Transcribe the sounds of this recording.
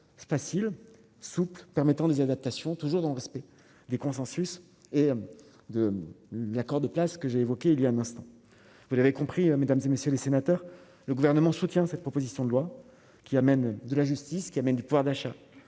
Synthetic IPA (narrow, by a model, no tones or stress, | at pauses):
fasil | suplpɛʁmɛt̪ɑ̃d̪ezad̪ap̚t̪asjɔ̃t̪uʒuʁd̪ɑ̃ləʁɛspɛ | d̪ekɔ̃sɑ̃sys | e | d̪əlakɔʁd̪əplaskəʒeːvɔkʲeiljaɛ̃nɛ̃st̪ɑ̃ | vulavekɔ̃pχimed̪amzemesjølesenat̪œʁ | ləɡuvɛʁnəmɑ̃sut̪jɛ̃sɛt̪̚pχɔpozisjɔ̃d̪əlwa | kʲiamɛnd̪əlaʒyst̪iskʲiamɛnd̪ypuvwaʁd̪aʃa